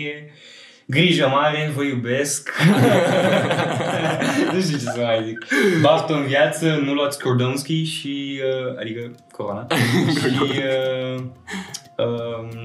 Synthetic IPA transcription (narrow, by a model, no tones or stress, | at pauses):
e | ɡɾiʒəmaɾenvəjubesk | nuʃt̪it͡ʃesəmajziklaft̪oɨnvjat̪sənuluat̪sʲkʰord̪onskʲiʃiəa̰d̪ikəkoɾonaʃiə | ə